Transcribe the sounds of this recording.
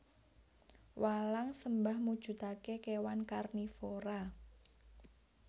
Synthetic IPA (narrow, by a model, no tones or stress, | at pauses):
walaŋsəmbahmud̥ʒ̥ṳt̪akekewankarnifoɾa